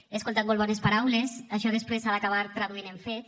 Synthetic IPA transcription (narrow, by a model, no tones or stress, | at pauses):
eskolˠt̪at̪molˠβɔnespaɾawlesaʃɔðespɾesaðakaβaɾt̪ɾaðuineɱfet̪